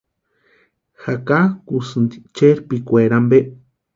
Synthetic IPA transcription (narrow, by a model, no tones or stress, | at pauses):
xakakusɨnd̪i̥t͡ʃeɾpikʷeɾambe